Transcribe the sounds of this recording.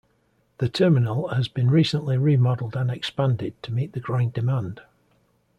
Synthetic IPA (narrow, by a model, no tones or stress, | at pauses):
ðətʰɜːmɪnəlˠhəzbĩnɹiˑsə̃nʔlɪɹimɒdəl̩ˠdə̃nɛkspãndɪd̚tʰəmiˑʔðəɡɹãɪ̃ndɪmãnd̥